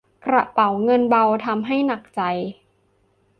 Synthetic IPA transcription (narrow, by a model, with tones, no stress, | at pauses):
kɾa˨˩pa˨˩˦wŋɤ˧nba˧wt̪ʰa˧mɦa˥˩jna˨˩k̚t͡ɕa˧j